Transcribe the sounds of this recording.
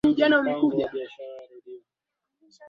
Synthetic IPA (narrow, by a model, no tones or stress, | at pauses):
iʄanaumikuʄa